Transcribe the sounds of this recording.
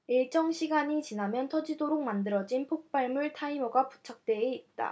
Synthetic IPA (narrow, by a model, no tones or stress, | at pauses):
iɭt͡ɕ͈ʌŋɕʰiɡaɲit͡ɕinamjʌntʰʌd͡ʑidoɾok̚mandɯɾʌd͡ʑinpʰok̚p͈aɭmuɭtʰaimʌɡapu̥t͡ɕʰak̚t͈e̞ːit̚t͈a̰